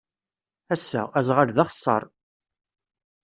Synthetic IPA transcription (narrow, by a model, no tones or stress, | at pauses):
æsːæ̰æzʁəɾðɑχə̥sˤːɑ̰ɾˤ